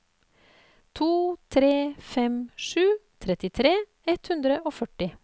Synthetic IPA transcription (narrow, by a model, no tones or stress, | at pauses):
t̪ʰuːt̪ʰɾeːfɛmʂʉːt̪ʰɾɛt̪ɪt̪ʰɾeː | ɛt̪hʉnd̪ɾəʔoːfœʈɪ